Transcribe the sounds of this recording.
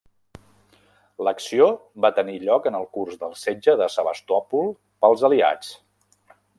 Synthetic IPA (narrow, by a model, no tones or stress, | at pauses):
ləksioβat̪əniʎɔkənəlˠkurzðəlˠsed͡ʒəðəsəβəst̪ɔpulˠ | pəlˠzəlia̰t͡s